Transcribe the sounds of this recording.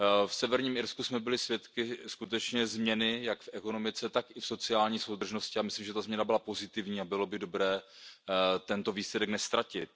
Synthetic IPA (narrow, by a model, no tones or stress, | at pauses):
fsɛvɛɾɲiːmɪɾskusmɛbɪlɪsvjɛt̪kɪskut̪ɛt͡ʃɲɛzmɲɛnɪjakfɛko̞no̞mɪt͡sɛt̪akɪfso̞t͡sɪaːlɲiːso̞wd̪r̩ʒno̞scɪamɪslimʒɛt̪azmɲɛnabɪlapo̞zɪt̪ɪvɲiːabɪlo̞bɪdo̞bɾɛː | t̪ɛnt̪o̞viːslɛdɛknɛst̪ɾacɪt̪̚